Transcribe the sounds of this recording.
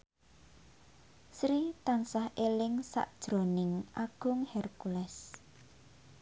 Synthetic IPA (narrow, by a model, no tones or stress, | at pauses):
sɾit̪aŋsahʔelɪŋsa̰ʔd̥ʒ̥ɾo̤nɪŋʔaɡ̥ʊŋhɛrkulɛs